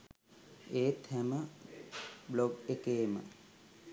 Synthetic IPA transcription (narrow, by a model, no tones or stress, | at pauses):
eːt̪ʰæmə | bloɡekeːmə̰